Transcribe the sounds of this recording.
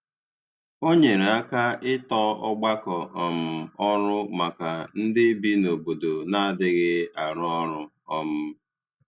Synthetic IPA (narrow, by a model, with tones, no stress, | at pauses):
o˦ɲe˨ɾa˦ka˦ɪ˦tɔ˦ɔ˦ɡ͡ba˦kɔ˨ʔɔ˨m̩˨ɔ˦ɾʊ˦ma˨ka˨n̩˦dɪ˦bi˦no˨bo˨do˨na˦a˦dɪ˨ɣɪ˦a˨ɾʊ˦ɔ˦ɾʊ˦ | ɔ˦mʊ˦